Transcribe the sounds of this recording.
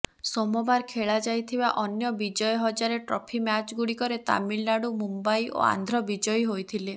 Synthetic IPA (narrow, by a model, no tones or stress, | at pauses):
sɔmɔbaɾkʰeɭad͡ʒajt̪ʰibaʔɔnjɔbid͡ʒɔjɔɦɔd͡ʒaɾeʈɾɔpʰimjat͡ʃɡuɽikɔɾet̪a̰miɭnaɽumumbajʔo̰a̰nd̪ʱɾɔbid͡ʒɔjɦojt̪ʰile